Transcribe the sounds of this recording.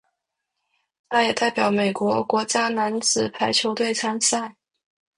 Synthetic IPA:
t̪ʰa˥jɛ˨˩t̪a˥˩ɪpjɑ˨˩ʊme˨˩ɪkwɔ˧˥kwɔ˧˥t͡ɕja˥na˧˥nt͡sɹ̩˨˩pʰa˧˥ɪt͡ɕʰjo˧˥ʊt̪we˥˧ɪt͡sʰa˥nsa˥˩ɪ

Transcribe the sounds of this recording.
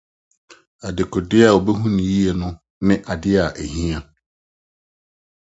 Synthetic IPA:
a˨dɪ˨kʰɔ˨dɪ˦a˨wo˨bɛ˦ɦũ˦nɪ̃˨ji˦ɛ˨nʊ̃˦ | nɪ̃˦ʔa˨dɪ˦a˨ʔæ˨ɦĩ˦ã˦

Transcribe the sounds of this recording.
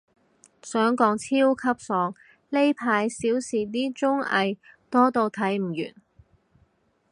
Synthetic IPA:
sœː˨˥ŋkɔː˨˧˥ŋt͡sʰiː˥wkʰɐ˥p̚sɔː˨˧ŋ | le˥jpʰaː˧jsiː˨˥wsiː˨˩t̪iː˥t͡sʊ˥ŋɐ̰˧jt̪ɔː˥t̪o˧wt̪ʰɐ˨˥jm̩˨˩jy̰ː˨˩n

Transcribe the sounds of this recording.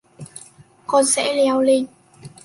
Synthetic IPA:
kɔ˧nsɛ̰˧˥lɛ˨˧˦wli˧˩ŋ

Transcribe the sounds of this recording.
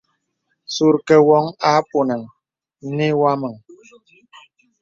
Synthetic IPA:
su˨ɾkɛ˨wɔ˦ŋa˨˦po˨nə˨ŋ˦ | ne˦wa˦mə˨ŋ

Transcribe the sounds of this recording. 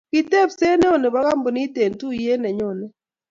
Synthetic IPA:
ki˨tɛ˦˨pse˦nɛ˦o˦˨ne˨ba˦ka˦mbo˨ni˦te˨ntu˦je˦nɛ˨ɲɔ˦˨nɛ˦˨

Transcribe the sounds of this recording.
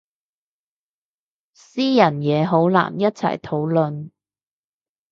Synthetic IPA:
siː˥jɐ˨˩njɛː˨˧ɦo˨˥wla̰ː˨˩njɐ˥t̚t͡sʰɐ̰˨˩jt̪ʰo˨˥wlɵ˨˧n

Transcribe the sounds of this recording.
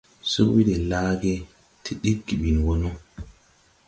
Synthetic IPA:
su˦wi˦dɛ˨laː˦ɡɛ˦ | tʰi˨ɗi˦ɡːi˨ɓi˨nwɔ˦nɔ˦

